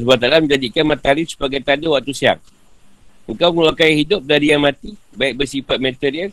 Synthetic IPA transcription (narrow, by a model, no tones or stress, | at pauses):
sbat̪alamd͡ʒadikanmat̪alifsu̥paɡajt̪adəwak̚t̪usia̰ŋ | əŋkawmulakajahidʊp̚daɾijaŋmat̪ibaɪk̚bəsipat̪̚mat̪iɾiəl